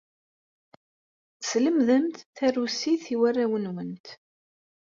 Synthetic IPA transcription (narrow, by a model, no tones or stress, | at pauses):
sləmðəmt̪θærːusiθiwærːawənwənt̪